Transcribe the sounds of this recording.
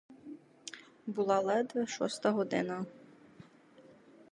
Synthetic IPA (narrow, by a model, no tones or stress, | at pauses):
bulˠalˠɛd̪ɛʃɔ̰st̪aɦɔd̪ɪ̰na